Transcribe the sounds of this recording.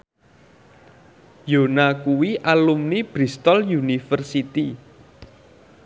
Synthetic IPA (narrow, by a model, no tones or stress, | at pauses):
jonakuwiʔalumnib̥ɾist̪ɔljunifərsit̪i